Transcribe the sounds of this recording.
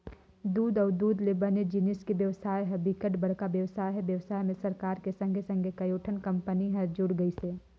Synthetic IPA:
d̪uːd̪ɔːɾd̪uːd̪lebəned͡ʒɪnɪskeʋjɐʋsaːjɦɛbɪkəʈbɐɽ̤kabjɐʋsaːjɦɛʋjɐʋsaːjmẽsɐɾkaːɾkesɐ̃ŋɡʱesɐ̃ŋɡʱekɐjoːʈʰənkɐ̃mpəniɦɛ̃d͡ʒʊɽɡɐiseː

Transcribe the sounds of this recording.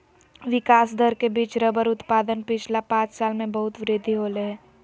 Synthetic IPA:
ʋɪkaːsd̪ʱəɾkebiːt͡ʃɾəbəɾʊt̪paːd̪ənpɪt͡ʃʰlapãːt͡ʃsaːlmẽbəɦʊt̪ʋɾɪd̪ʱiɦoːleɦː

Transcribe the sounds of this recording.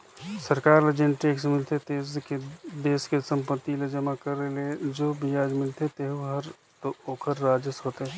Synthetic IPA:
səɾkaːɾled͡ʒenʈeːksmɪlt̪et̪eːzked̪eːskesə̃mpət̪ːiled͡ʒɐmakəɾːeled͡ʒoːbɪjaːd͡ʒmɪlt̪et̪eːɦuɦɐɾ | t̪ooːkʰəɾːaːd͡ʒɪsɦoːt̪eɦ

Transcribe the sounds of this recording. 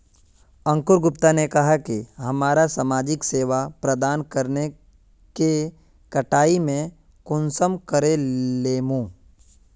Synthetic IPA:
ə̃ŋkʊɾɡʊpt̪anekɐɦakiɦɐmaːɾasaːmaːd͡ʒɪkseːʋapɾəd̪aːnkɐɾne | ke | kɐʈaːimẽ | kʊnsəmkəɾeleːmũː

